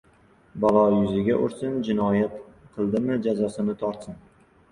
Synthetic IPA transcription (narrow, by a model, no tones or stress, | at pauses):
balˠɒjʊzɪɡʲaʔʊ̰ɾsɪnd͡ʒɪnɒjat̪qʰɨlˠd̪ɪmɪd͡ʒazɒsɪnɪt̪ʰɒɾt̪sɪn